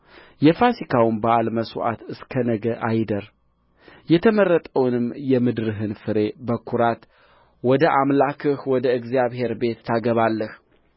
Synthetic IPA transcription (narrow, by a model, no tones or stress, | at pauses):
jɛfasikʰawmbəalməsuʔa̰t̪ɨskʰənəɡəʔajd̪əɾ | jɛt̪ʰəmərːət̪ʼəwnɨmjɛmɨd̪ɾɨɦɨnfɨɾe̞bəkʰːuɾat̪ | wɔd̪əʔamlakʰɨhwɔd̪əɨɡzijaβhe̞ɾbe̞t̪ːʰaɡəβalːəh